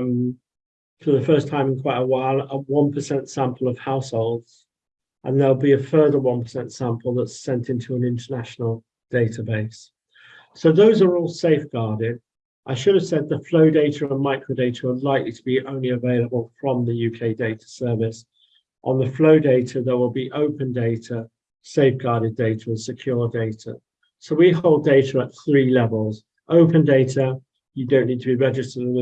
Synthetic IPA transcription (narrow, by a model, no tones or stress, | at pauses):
m | fəðəfɜˑ˞stʰãɪ̃mɪ̃nkʰw̥aɪɾəwaɪlˠəwʌ̃npʰəsɛ̃ntsæ̃mpʰəlˠəv̥haʊshoʊlˠdz̥ | ʔə̰̃nðəlˠbiəfɜːðəwʌ̃npʰə̥sɛ̃ntsæ̃mpʰəlˠðətsɛ̃ntɪ̃ntʰʉə̃nɪ̃ntənaʃn̩əl̩ˠ | d̥eɪtəbeɪs | soʊðoʊzəɹɔːlˠseɪfɡ̥ɑːdɪd̥ | ʔaɪʃʊɾəv̥sɛd̪̚ðəfləʊdeɪtəɹə̃nmaɪkʰɹ̥əʊdeɪtʰəəlaɪklitʰəbiʔə̃ʊ̃nliəveɪləbəlˠfɹə̃mðəjʉːkʰeɪdeɪtʰə̥sɜːvɪs | ʔə̃nðəfloʊdeɪtʰəðəʔwɪlˠbiʔəʊpʰə̃ndeɪtʰə | seɪfɡ̥ɑːɾɪdeɪtʰəə̃nsɪkʰj̥ɔːɹdeɪtʰə̰ | soʊwiɦoʊlˠdeɪtʰəət̪̚θɹiːlɛvəlˠz | ʔəʊpʰə̃ndeɪtʰə | jədõʊ̃nːiːd̚tʰəbiɹɛd͡ʒɪstəd̃